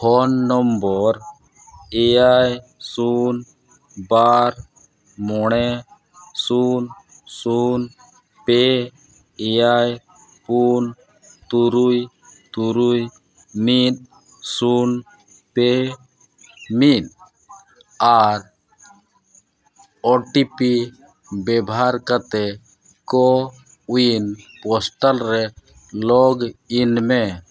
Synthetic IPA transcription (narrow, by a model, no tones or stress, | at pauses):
hʰɔnːɔmbɔɾ | ɛaj | sun | baɾ | mɔɳɛ | sun | sun | pe | ɛaj | pun | t̪uɾuj | t̪uɾuj | mit̪̚ | sun | pe | mit̪̚ | aɾ | ɔʈipi | bɛbʱaɾkat̪ɛ | kɔ | winpɔsʈalɾɛ | lɔɡinmɛ